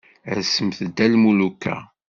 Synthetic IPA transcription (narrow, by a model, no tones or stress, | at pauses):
əsəmθəd̪ːælmulukːæ̰